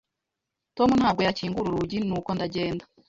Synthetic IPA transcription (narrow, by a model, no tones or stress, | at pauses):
to̞munhaːb̚ɡo̞jaciːŋɡuɾuɾuɟinuːko̞ndaɟeːndḁ